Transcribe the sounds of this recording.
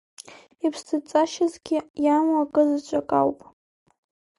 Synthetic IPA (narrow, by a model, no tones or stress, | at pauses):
ipʰstʰɨt͡sʼaʃazɡʲɪjamakʼɨzɨt͡ʃʷʼakʼawpʼ